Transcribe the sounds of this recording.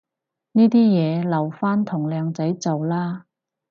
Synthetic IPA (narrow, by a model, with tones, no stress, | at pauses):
niː˥t̪iː˥jɛː˨˧lɐ˨˩wfaː˥nt̪ʰʊ˨˩ŋlœː˨˧ŋt͡sɐ˨˥jt͡sɐ˨wlaː˥